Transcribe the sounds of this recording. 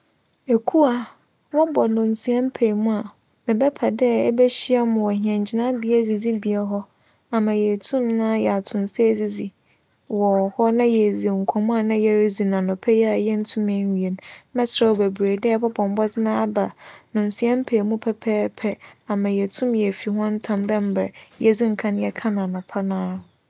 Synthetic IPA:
e˨kʰu˦a˨ | wɔ˦bɔ˨nʊ̃˨n̩˨si˨ɛ˦m˦pʰe˨mũ˦a˨ | mɪ̃˨bɛ˦pʰa˨dɛ˦bɛ˦ɕi˦a˦mʊ̃˨wɔ˨hi˨ɛ̃˨ɲ˨d͡ʑi˦nã˦bi˨˦e˦d͡zi˨d͡zi˦bi˨ɛ˦ɦɔ˦ | a˨mã˨jɛ˨tʰũ˦mnã˦jɛ˨a˨tʰʊ̃˨n˨se˦˨zi˨d͡zi˨ | wɔ˨hɔ˦nã˦jɛ˨zi˨ŋ̩˨kʷʰɔ̃˨mʊ̃˦a˨nã˦jɛ˦ɾd͡zi˨nã˨nʊ̃˨pʰɛ˦jɛ˦a˨jɛ˦n̩˦tʰũ˦mɛ̃˨ɲ˨i˨e˨nmɛ̃˦sɾɛ˦wbe˨bɾeː˨dɛ˦˨˦pʰɔ˦bʰɔ̃˨m˦bɔ˦sɪ˦nãː˦a˦ba˨nʊ̃˨n̩˨si˨ɛ̃˦m̩˦pʰeː˨mũ˦pʰɛ˦pʰɛː˦pʰɛ˦a˨mã˨jɛ˨tʰũ˦mjɛ˨fi˨ɦɔ̃˦n̩˦tʰã˨mdɛ̃˦m̩˦bɛ˨jɛ˨d͡zi˦ŋ̩˨kʰã˦n˦jɛ˨kʰã˦nã˨nʊ̃˨pʰa˦nãː˦ʊ˨

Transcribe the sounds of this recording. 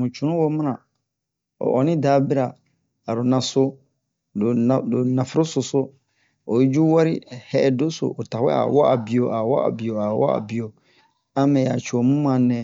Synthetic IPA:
mũ˨t͡ʃʰu˨nʊ̃˦wɔ˦m̃˦nã˨ | ɔ̰˨ʔɔ˨nɪ̃˦daː˨˦bɪ˦ɾa˨ | a˨ɾʊ˨nã˨sʊ˦ | dʊ˨ã˨dʊ˨nã˨fɪ˦ɾʊ˦sʊ˨sʊ˦ | ɔ˨i˦d͡ʑu˦wa˦ɾɪ̰˦hɛ˦˨do˦sʊ̰˨ʔɔ˨ta˨wɛ̰˦a̰˨wɔ˦ʔa˨bi˨o˨ʔa˨wɔ˦a̰˨bi˨o˨a˨wɔ̰˦a̰˨bi˨o˨ | a˦mɛ̃˨ja˨t͡ʃʰu˨ɔ˨mũ˦mã˨nɛ̃˨

